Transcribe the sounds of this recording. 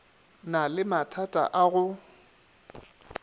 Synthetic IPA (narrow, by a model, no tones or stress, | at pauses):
nalɪmatʰatʼa̰ʔaɣʊ